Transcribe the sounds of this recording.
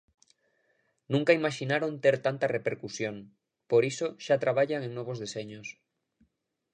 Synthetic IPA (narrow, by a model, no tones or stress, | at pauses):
nũŋkaimaʃinaɾont̪eɾt̪ant̪arepeɾkusjoŋ | poɾisoʃat̪ɾaβ̞aʎaŋeŋnoβ̞ozðeseɲos